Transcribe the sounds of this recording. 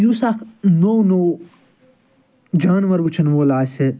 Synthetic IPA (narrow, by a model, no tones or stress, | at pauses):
juːsaːkʰnownoː | d͡ʒaːnʋɐɾʋut͡ʃʰɐnʋoːlaːse